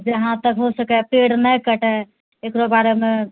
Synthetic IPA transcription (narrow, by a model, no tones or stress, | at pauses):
d͡ʒeɦãt̪əkɦosəkɛpeɽnəjkəʈɛ | ekɾobaɾeme